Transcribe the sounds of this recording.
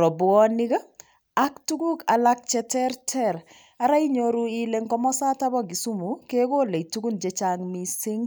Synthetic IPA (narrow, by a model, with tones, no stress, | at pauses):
ɾɔ˨bʊ˨ɔ˦ni˦ɡɐ˦ | a˦k̚tu˦ɡu˦ka˨la˦k̚t͡ʃɛ˨tɛ˦rtʰɛ˦ɾ | a˨ɾa˦i˦ɲoɾu˦ile˨ŋkɔ˦mɔ˦sa˦ta˦bɔ˦ɡi˨su˦mu˨ke˦ko˦le˨itu˦ɡu˦nd͡ʒe˦t͡ʃaŋmi˦sɪ˦ŋ